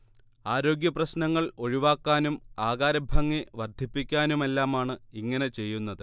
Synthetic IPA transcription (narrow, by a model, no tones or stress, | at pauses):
aːɾo̞ːɡjɐprɐɕnɐŋːɐɭo̞ɻiʋaːkːaːnumaːɣaːɾɐbʱɐŋːiʋɐrd̪ʱipːikʲːaːnume̞lːaːmaːɳɨiŋːɐnet͡ɕe̞jːunːɐðɨ